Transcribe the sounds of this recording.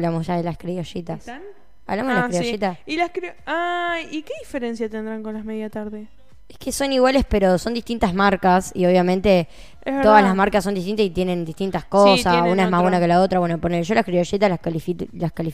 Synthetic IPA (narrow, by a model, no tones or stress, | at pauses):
lamosʒaðelaskɾioʃit̪a | aβlamoðelakɾioʃit̪asilaskɾiaikeðifeɾensjat̪end̪ɾaŋkonlameðjat̪aɾðe | ehkeso̞niɣwale̞spe̞ɾo̞sond̪iht̪int̪azmaɾkasio̞βjamẽ̞nt̪e | etɾoðalasmaɾkasond̪iht̪int̪asit̪je̞nẽ̞nd̪iht̪int̪askosassunaemaɦβwenakelaot̪ɾaβwenoponelʒolakɾioʃit̪alaklifilaskalif